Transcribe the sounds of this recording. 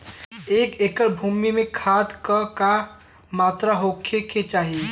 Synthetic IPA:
eːkeːkəɽbʱuːmimẽkʰad̪kəka | maːt̪ɾaɦokʰeket͡ʃaːɦi

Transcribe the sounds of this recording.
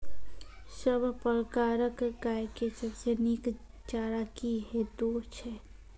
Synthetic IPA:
səbʱpəɾkaːɾəkɡaːjkesəbsenik | t͡ʃaːɾakiɦɛd̪oːt͡ʃʰɛ

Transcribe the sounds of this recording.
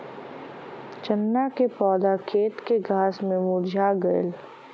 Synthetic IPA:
t͡ʃənːakepɔːd̪akʰeːt̪keɡʱaːsmẽmuːɾd͡ʒʱaɡəɪl

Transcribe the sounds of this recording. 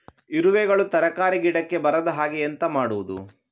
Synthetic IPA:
iɾuʋɛːɡɐɭut̪ɐɾɐkaːɾiɡiɽɐkːe̞bɐɾɐd̪ɐɦaːɡiɐnt̪ɐmaːɽuʋud̪ṵ

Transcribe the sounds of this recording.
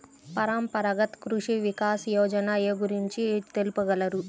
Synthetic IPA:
pɐɾaːmpɐɾɐɡɐt̪kɾuʂiʋikaːsjoːd͡ʒɐnaːjeɡuɾiɲt͡ʃiet̪elpɐɡɐlɐɾu

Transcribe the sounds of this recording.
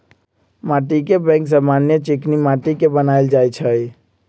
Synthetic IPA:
maʈikebɛ̃ŋks̬amanjət͡ʃiknimaʈikebənajld͡ʒajt͡ʃʰəj

